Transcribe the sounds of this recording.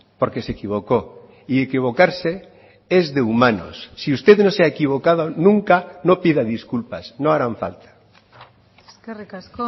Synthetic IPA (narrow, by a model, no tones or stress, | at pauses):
poɾkesekiβ̞oko | iekiβ̞okaɾse | ezðeumãno̰sːiust̪eðnõseaekiβ̞okaðonũŋkanopiðaðiskulpasnõaɾaɱfa̰lt̪ḁ